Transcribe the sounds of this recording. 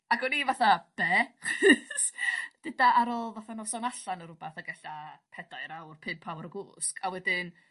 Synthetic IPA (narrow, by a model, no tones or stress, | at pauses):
aɡɔnivaθab̥ɛχsd̥ɨdaʔaɾɔlˠvaθanɔsɔnaɬanəɾʊbaθaɡɛɬapʰɛdaɨɾawrpʰɨmpʰawɾəɡʊːskʰawɛdɪn